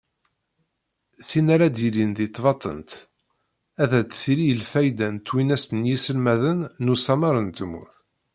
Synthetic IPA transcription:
θinaɾad̪ilinðit̪ˤːvɑt̪ˤə̰nt̪ | æðæt͡s̪ːθilijəlfæjd̪ænt̪ːwinæsənjisəlmæðənːusɑmɑɾˤənt̪əmːṵθ

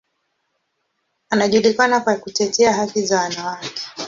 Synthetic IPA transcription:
anaʄulikanakakutɛtɛaɦakizawanawakɛ̥

